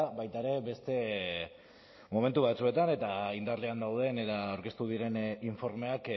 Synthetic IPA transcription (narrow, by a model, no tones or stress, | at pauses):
bajt̪aeɾe̞be̞st̪e̞ | mo̞me̞nt̪uβat͡sue̞t̪ane̞t̪aind̪aɾleand̪awð̞e̞net̪aawɾke̞st̪uðiɾe̞niɱfo̞ɾme̞ak